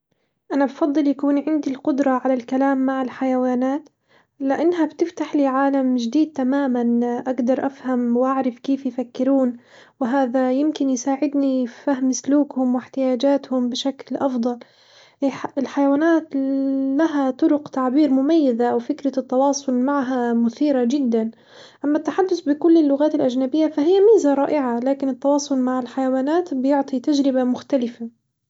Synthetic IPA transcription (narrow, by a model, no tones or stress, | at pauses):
ʔanabfɑd̪ˤːɨljakuːnʕɪnd̪ilqʊd̪ɾˤɑʕalalkalaːmːaʕɪlħajawaːnaːt̪ | lɪʔanːɦabt̪ɪft̪aħliːʕaːlamʒd̪iːd̪̚t̪amaːmanʔaɡd̪ɑɾˤʔafhamwʔaʕɾˤɪfkeːfjfakːɪɾuːn | wɪɦaːðajɪmkɪnjsaːʕɪd̪nifaɦmsluːkhʊmwɪħt̪ɪjaːd͡ʒaːt̪hʊmbɪʃaklʔɑfd̪ˤɑl | ʔɪħɪlħajawaːnaːt̪laɦat̪ˤʊɾʊqt̪aʕbiːɾmʊmajːazaʔawfɪkɾat̪ːɑwɑːsˤʊlmaʕɦamʊθiːɾad͡ʒɪd̪ːan | ʔamːat̪ːaħad̪ːʊθbɪkʊlːɪlːʊɣaːt̪ɪlʔad͡ʒnabɪjːafaɦɪjːamiːzaɾˤɑːʔɪʕalaːkɪnɪt̪ːɑwɑːsˤʊlmaʕɪlħajawaːnaːt̪bɪjʊʕt̪ˤit̪ad͡ʒɾɪbamʊxt̪alɪfa